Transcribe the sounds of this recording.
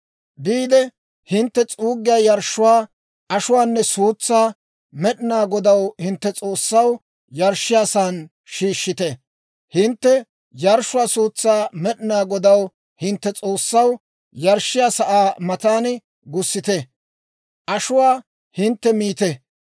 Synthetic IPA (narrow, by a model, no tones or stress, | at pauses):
biːd̪ɛ | hɪnt̪ːɛt͡sʼuːɡːɪjaːjɐɾʃːʊwaː | ɐʃʊwaːnːɛsuːt͡sːaː | mɛɗɪnaːɡɔd̪ɐwhɪnt̪ːɛt͡sʼo̞ːsːɐw | jɐɾʃːɪjaːsaːn | ʃiːʃːɪt̪ɛ | hɪnt̪ːɛ | jɐɾʃːʊwaːsuːt͡sːaːmɛɗɪnaːɡɔd̪ɐw | hɪnt̪ːɛt͡sʼoːsːɐw | jɐɾʃːɪjaːsɐʔaːmɐt̪aːnɪ | ɡʊsːɪt̪ɛ | ʔɐʃʊwaː | hɪnt̪ːɛmiːt̪ɛ